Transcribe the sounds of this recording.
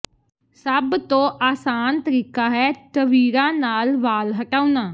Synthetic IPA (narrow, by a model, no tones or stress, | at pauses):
səbt̪õːʔaːsaːnt̪əɾiːkaːɦɛːʈ̪əʋiːɾãːnaːlʋaːlɦəʈaːunaː